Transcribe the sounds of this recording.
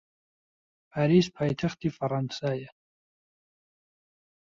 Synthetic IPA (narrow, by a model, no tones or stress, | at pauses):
pʰaɾiːspʰaːjt̪ʰaxt̪ʰifaɾɑnsajɛ